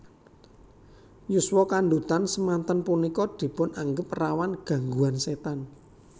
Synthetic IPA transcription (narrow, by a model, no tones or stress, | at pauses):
juswɔkaɳɖ̪ut̪ansəmant̪ənpunikɔd̪̥i̤pʊnaŋɡəp̚rawanɡ̥ä̤ŋɡuanset̪an